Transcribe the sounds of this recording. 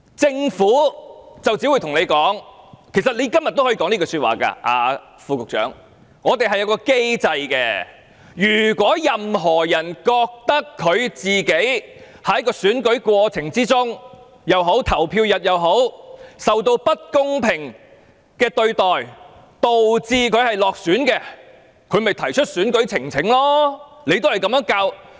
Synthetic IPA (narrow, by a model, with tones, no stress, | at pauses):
t͡sɪ˧ŋfuː˨˥t͡sɐ˨wt͡siː˨˥wu˧jt̪ʰʊ˨˩ŋne˨˧jkɔː˨˥ŋkʰe˨˩js̬ɐ˨t̚le˧˥kɐ˥mjɐ˨t̪ːo˥hɔ˧˥i˧kɔ˨˥ŋniː˥kɔː˧sy˧t̚wa̰ː˨˩ka̰ː˧ʔa̰ː˧ | fuː˧kʊ˨k̚t͡ʃœ̰ː˨˥ŋː | ɔː˨˧t̪e˨jɦɐ˨jːwkɔː˧ke˥jt͡sɐ˧jkɛː˧ | jyː˨˩kwʷɔː˨˥jɐ˨mɦɔː˨˩jɐ˨˩nkɔː˧k̚t̪ɐ˥kʰːɵ˨˧ɥt͡siː˨ke˨˥j | hɐ˨˥jkɔː˧syː˨˥nkɵ˨˥ɥkwɔː˧t͡sʰɪ˨˩ŋt͡siː˥t͡sʊ˥ŋ | jɐ˨wɦo˨˥wt̪ʰɐ˨˩wpʰiː˧wjɐ˨t̚jɐ˨˧wɦo˨˥wsɐ˨wt̪o˧wpɐ˥t̚kʊ˥ŋpʰɪ˨˩ŋ | kɛː˧t̪ɵ˧ɥt̪ɔː˨j | t̪o˨wt͡siː˧kʰɵ˨˧ɥhɐ˨jlɔː˨k̚syː˨˥nkɛː˧ | kʰɵ˨˧ɥmɐ˨jt̪ʰɐ˨˩jt͡ʃʰɵ˥t̚syː˨˥nkɵ˨˥ɥt͡sʰɪ˨˩ŋt͡sʰɪ˨˥ŋlɔː˥nle˨˧jt̪o˥whɐ˨jkɐ˨˥mjœː˨˥ŋkaː˧w